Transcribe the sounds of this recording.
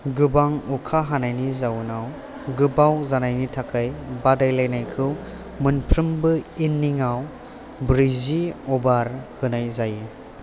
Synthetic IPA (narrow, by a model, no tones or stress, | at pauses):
ɡɯbaŋukʰaɦanajnizawnaw | ɡɯbawzanajnitʰakʰajbadajlajnajkʰɯw | mɯnpʰɾɯmbɯinːiŋaw | bɾiziɔbaɾhɯnajzaji